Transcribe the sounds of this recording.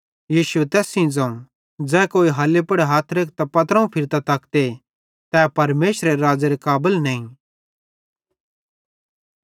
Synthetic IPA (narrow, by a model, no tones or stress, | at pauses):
jiːʃʊɛt̪ɛːsĩd͡zãːũ | d͡zɛːkoːiɦɐlepɐɽeɦaːt̪ʰɾeːk̚ʰt̪ɐpɐt̪ɾãːũpʰɪɾt̪at̪ɐːkt̪e | t̪ɛːpɐɾmeːʃɾeɾɾaːd͡zeɾekaːbəlnãːĩ